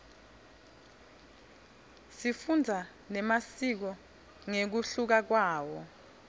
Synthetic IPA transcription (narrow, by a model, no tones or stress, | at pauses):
sifund͡zʱa | nɛmasik̬ɔ | ŋek̬uɬuk̬ak̬waːwɔ